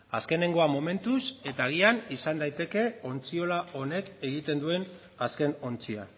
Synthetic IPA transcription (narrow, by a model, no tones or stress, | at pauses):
aske̞ne̞ŋɡo̞amo̞me̞nt̪use̞t̪aːɣ̞ianisand̪ajt̪e̞ke̞o̞nt͡sio̞laʔo̞ne̞ke̞ɣ̞it̪e̞nd̪ue̞n | aske̞no̞nt͡sia